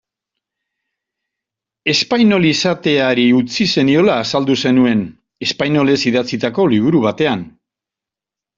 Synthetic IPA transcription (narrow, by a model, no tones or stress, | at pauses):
e̞spajno̞lisat̪e̞aɾiut͡sise̞nio̞laːsald̪use̞nue̞n | e̞spajno̞le̞siðat͡sit̪ako̞liβ̞uɾuβ̞at̪e̞an